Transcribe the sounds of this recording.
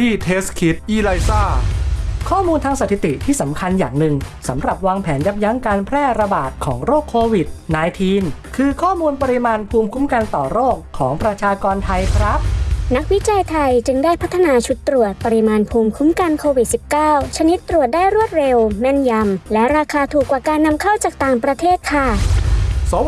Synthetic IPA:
t̪ʰiː˥˩t̪ʰeː˦˥skʰi˦˥t̪̚ʔiː˧la˧jsaː˥˩kʰɔː˥˩muː˧nt̪ʰaː˧ŋsa˨˧t̪ʰi˨˩t̪i˨˩t̪ʰiː˥˩sa˩˦mkʰa˧njaː˨˩ŋnɯ˨˩ŋsa˩˦mɾa˨˩p̚waː˧ŋpʰɛː˩˦nja˦˥p̚ja˦˥ŋkaː˧npʰɾɛː˥˩ɾa˧baː˨˩t̪̚kʰɔː˩˦ŋɾoː˥˩kʰːoː˧wi˨˩t̪̚naː˧jt̪ʰiː˧nkʰɯː˧kʰɔː˥˩muː˧npɔ˧ɾi˧˥maː˧npʰuː˧mkʰu˦˥mka˧nt̪ɔː˨˩ɾoː˥˩kʰːɔː˩˦ŋpɾa˧t͡ɕʰaː˧kɔː˧nt̪ʰa˧jkʰɾa˦˥p̚na˦˥k̚wi˦˥t͡ɕa˧jt̪ʰa˧jt͡ɕɯ˧ŋdaː˥˩jpʰa˦˥t̪ʰːa˧naː˧t͡ɕʰu˦˥t̪ːɾu˨˩ət̪̚pa˧ɾi˧maː˧npʰuː˧mkʰu˦˥mka˧nkʰoː˧wi˨˩t̪̚si˨˩p̚kaː˥˩wt͡ɕʰa˧ni˦˥t̪ːɾu˨˩ət̪̚daː˥˩jɾu˥˩ət̪̚ɾe˧wmɛ˧nja˧mlɛ˦˥ɾaː˧kʰaː˧t̪ʰuː˨˩kːwaː˨˩kaː˧nːa˧mkʰa˥˩wt͡ɕaː˨˩k̚t̪aː˨˩ŋpɾa˧t̪ʰeː˥˩t̪̚kʰa˥˩ | so˨˩˦

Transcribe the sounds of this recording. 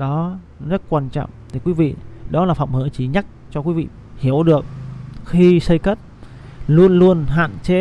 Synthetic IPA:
ɗɔ˨˦ | zə˦˥t̚kwaː˧nt͡ɕɔ̰˧˨wʔt̪ʰi˨˩kwi˨˦vḭ˧˨ɗɔ˨˦laː˨˩fə̰˧˨wŋ͡mhəː˧˨˦t͡ɕi˨˦ɲa˦˥k̚t͡ɕɔ˧kwi˨˦vḭ˧˨ | hi˧˩əwɗɨ˨˩ək̚xi˧sə˧jkə˦˥t̚ | lu˧ənlu˧ənɦa̰ː˧˨nt͡ɕe˨˦

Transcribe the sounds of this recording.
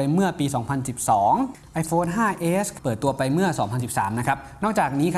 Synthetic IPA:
a˧jmɯ˥˩ɐpiː˧sɔː˩˦ŋpʰa˧nsi˨˩p̚sɔː˩˦ŋ | ʔa˧jfʰoː˧˥nɦaː˥˩ʔeː˦˥spɤː˨˩t̪ːu˧ɐpa˧jmɯ˥˩ɐsɔː˩˦ŋpʰa˧nsi˨˩p̚saː˩˦mna˦˥kʰa˦˥p̚nɔː˥˩k̚t͡ɕaː˨˩k̚niː˦˥kʰ

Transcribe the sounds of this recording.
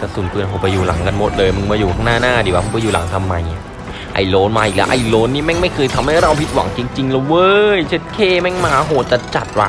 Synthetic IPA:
t̪a˧˩suː˨˩˦npɯ˧ənɦo˨˧˦pa˧juː˨˩la̰˩˦ŋka˧nmo˨˦˩t̪̚lɤː˧jmɯ˧ŋmaː˧juː˨˩k̪ʰaː˧˥˩ŋnaː˥˩naː˥˩di˨˩˦wa˧u˧˩pa˧jːuː˨˩la̰˨˩˦ŋt̪ʰa˧mːa˧jni˧˥ | ʔa̰˧˩jloː˧˥nmaː˧ʔiː˨˩k̚lɛ̰˦˥ʔa̰˧˩jloː˧˥nːiː˥˨mɛ˥˩ŋma˥˩jkʰɤː˧jt̪ʰa˧mha˥˩jɾa˧wpʰi˦˥t̪̚wa̰˩˦ŋt͡ɕi˧ŋt͡ɕi˧ŋla˧˩wɤː˧jt͡ɕʰe˦˥t̪̚kʰeː˥˩mɛ˥˩ŋmaː˧˩˧ɦoː˨˩t̪̚t͡ɕa˨˩t͡ɕa˨˩t̪̚wa̰˧

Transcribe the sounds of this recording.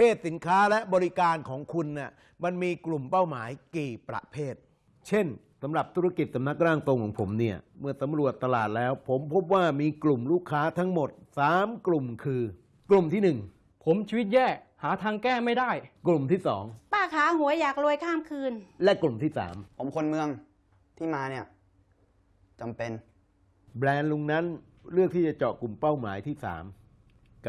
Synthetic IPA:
pʰeː˥˩t̪̚si˨˩˦nkʰaː˦˥lɛ˦˥ʔbɔː˧ɾi˦˥kaː˧nkʰɔː˩˦ŋkʰu˧nːi˥˩ | ma˧nmiː˧klu˨˩mpa˥˩wmaː˩˦jkiː˨˩pɾa̰˨˩ʔpʰeː˥˩t̪̚ | t͡ɕʰe˥˩n | sa˨˩˦mɾa˨˩p̚t̪ʰu˦ɾa˧ki˨˩t̪̚sa˨˦na˦˥k̚ɾaː˥˩ŋt̪o˧ŋkʰɔː˩˦pʰo˩˦mni˥˩ɐmɯ˥˩ɐsa˩˦mɾu˨˩ət̪ːa˧laː˨˩t̪̚lɛː˦˥wpʰo˩˦mpʰo˦˥p̚waː˥˩miː˧klu˨˩mluː˥˩kʰːaː˦˥t̪ʰa˦˥ŋmo˨˩t̪̚saː˨˩˦mklu˨˩mkʰɯː˧ | klu˨˩mt̪ʰiː˥˩nɯ˨˩ŋ | pʰo˨˩˦mt͡ɕʰi˧wt̪̚jɛː˥˩ | haː˩˦t̪ʰaː˧ŋkɛː˥˩ma˥˩jdaː˥˩jklu˨˩mt̪ʰiː˥˩sɔː˩˦ŋpaː˥˩kʰaː˩˦ɦu˨˩˦ɐjaː˨˩k̚ɾu˧əjkʰaː˥˩mkʰɯː˧nlɛ˦˥ʔklu˨˩mt̪ʰiː˥˩sa̰ː˩˦mpʰo˩˦mkʰo˧nmɯ˧əŋ | t̪ʰiː˥˩maː˧ni˥˩ɐ | t͡ɕa˧mpe˧n | blɛː˧nlu˧ŋna˦˥n | ɾɯ˥˩k̪̚iː˥˩t͡ɕa˨˩t͡ɕɔ̰˨˩klu˨˩mpa˥˩wmaː˩˦jt̪ʰiː˥˩sa̰ː˩˦m | k

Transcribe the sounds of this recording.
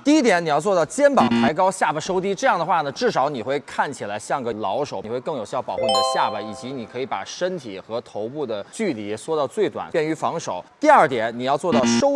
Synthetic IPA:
t̪i˥˧i˥t̪jɛ˧˥ni˨˩jɑ˥˧ʊt͡swɔ˥˧t̪ɑ˥˧ʊt͡ɕjɛ˥npɑ˨˩ŋt̪ʰa˧˥ɪkɑ˥ʊɕja˥˩bə˩ʂo˥ʊt̪i˥ʈ͡ʂɤ˥˧jɑ˥˩ŋd̪ə˩xwa˥˩nə˩ʈ͡ʂɻ̩˥˩ʂɑ˧˥ʊni˨˩xwe˥˧ɪkʰa˥˩nt͡ɕʰi˨˩la˧˥ɪɕjɑ˥˩ŋɡə˧˩lɑ˧˥ʊʂo˨˩ʊ˨˩xwe˥˧ɪkɤ˥˩ŋjo˨˩ʊɕjɑ˥˩ʊpɑ˨˩xu˥˩n˥˩˧ɕja˥˩bə˩i˨˩t͡ɕi˧˥ni˨˩kʰɤ˧˥i˧˥pa̰˨˩ʂə˥nt̪ʰi˨˩xɤ˧˥t̪ʰo˧˥ʊpu˥˩d̪ə˩t͡ɕy˥˩li˧˥swɔ˥t̪ɑ˥˧ʊt͡swe˥˩ɪt̪wa̰˨˩npjɛ˥˩ny˧˥fɑ˧˥ŋʂo˨˩˦ʊt̪i˥˧ɐ˞˥˩t̪jɛ˨˩˦nni˨˩jɑ˥˧ʊt͡swɔ˥˧t̪ɑ˥˩ʊʂo˥ʊ

